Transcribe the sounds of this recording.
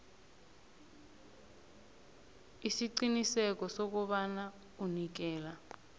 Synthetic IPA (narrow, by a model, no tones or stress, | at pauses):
isiǀinisɛk̬ɔsok̬uɓana | unik̬ɛːla